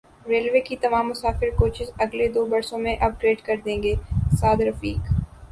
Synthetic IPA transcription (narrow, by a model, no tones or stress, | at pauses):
ɾeːlʋeːkit̪ɐmaːmːʊsaːfɪɾkoːt͡ʃɪzɐɡled̪oːbɐɾsõmẽʔɐb̚ɡɾeːɖkɐɾd̪ẽːŋɡeːsaːd̪ɾɐfiːk